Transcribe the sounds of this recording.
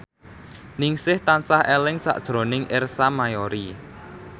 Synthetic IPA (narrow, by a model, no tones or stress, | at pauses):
nɪŋsɪht̪ansahelɪŋsa̰ʔd̥ʒ̥ɾo̤nɪŋʔɪrsamajɔɾi